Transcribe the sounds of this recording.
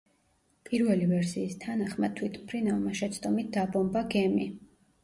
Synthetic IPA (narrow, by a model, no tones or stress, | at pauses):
pʼiɾvɛlivɛɾsiːst̪ʰanaχmat̪ʰwit̪ʰpʰɾinalˠmaʃɛt̪sʰt̪ʼɔmit̪̚d̪abɔmbaɡɛmi